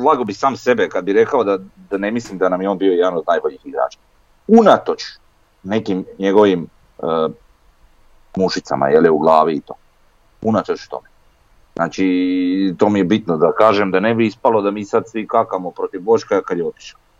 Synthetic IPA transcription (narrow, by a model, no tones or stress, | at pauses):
lˠaɡobisaːmse̞bekad̪biɾe̞kaod̪ad̪ane̞mislimd̪anamjeo̞ːnbio̞jed̪ano̞d̪naːjbo̞ʎixiɡɾa̰ːt͡ʃḁ | unat̪ot͡ʃ | ne̞kimɲe̞ɡo̞ʋim | ə | muʃit̪sa̰ma̰jeliuɡlˠaːʋiːt̪o̞̰ː | unat̪ot͡ʃu̥t̪o̞̰me | znaːt͡ʃit̪o̞ːmijebit̪nod̪akaːʒemd̪ane̞biispalo̞d̪amiːsad̪sʋikakamopɾo̞t̪iʋʋot͡ʃkaakad̪jeot̪i̥ʃḁl